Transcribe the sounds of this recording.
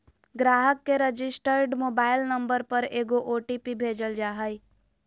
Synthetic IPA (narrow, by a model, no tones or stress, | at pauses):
ɡɾaːɦəkːeɾəd͡ʒɪsʈəɾɖmoːbaːɪlnə̃mbəɾpəɾeːɡoʔoːʈipibʱeːd͡ʒəld͡ʒaːɦəj